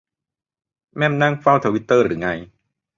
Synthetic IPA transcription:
mɛ˥˩mna˥˩ŋfa˥˩wt̪ʰa˧wi˦˥t̪ːɤː˥˩ɾɯ̰ː˩˦ŋa˧j

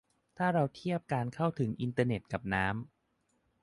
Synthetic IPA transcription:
t̪ʰaː˥˩ɾa˧wt̪ʰi˥˩əp̚kaː˧nkʰa˥˩wt̪ʰɯ˩˦ŋʔi˧nt̪ɤː˧ne˨˩t̪̚ka˨˩p̚naː˦˥m

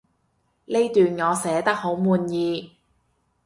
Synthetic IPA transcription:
le˥jt̪yː˨nŋɔː˨˧sɛː˨˥t̪ɐ˥k̚ho˨˥wmuː˨˧njiː˨˧

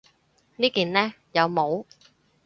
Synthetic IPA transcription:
niː˥kiː˨nlɛː˥ | jɐ˨˧wmo˨˧w

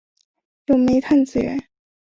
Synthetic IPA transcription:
jo˥˩ʊme˧˥ɪt̪ʰa˥˩nt͡sɹ̩˥˩ɥɛ̰˧˥n

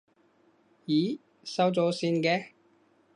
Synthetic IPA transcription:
jiː˨˥ | sɐ˥wt͡sɔː˨˥siː˧nkɛː˧

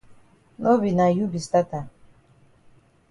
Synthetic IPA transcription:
nʔo˦βi˨na˨ju˦bi˨sta˦ta˨

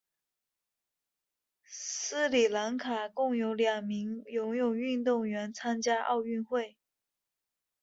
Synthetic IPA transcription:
sɹ̩˥li˨˩la˧˥ŋkʰa˨˩kʊ˥˩ŋjo˧˥ʊljɑ˨˩ŋmi˧˥ŋjʊ˧˥ŋjʊ˨˩ŋy˥˧nt̪ʊ˥˩ŋɥɛ˧˥nt͡sʰa˥nt͡ɕja˥ʔɑ̰˥˧ʊy˥˧nxwe˥˩ɪ

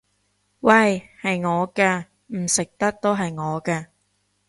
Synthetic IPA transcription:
wɐ˥˨˩jhɐ˨jŋɔː˨˧kɛː˧ | m̩˨˩sɪ˨k̚t̪ɐ˥k̚t̪o˥wɦɐ˨jŋɔː˨˧kɛː˧

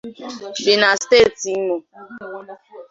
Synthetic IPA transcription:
bi˨na˨ste˦˨ti˨˦mo˨

